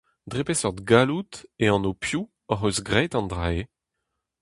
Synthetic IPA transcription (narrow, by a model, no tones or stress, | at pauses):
d̪ʁepesɔʁd̪ɡalut̪eɑ̃nopʰju | ɔʁøzɡʁɛt̪ɑ̃nd̪ʁae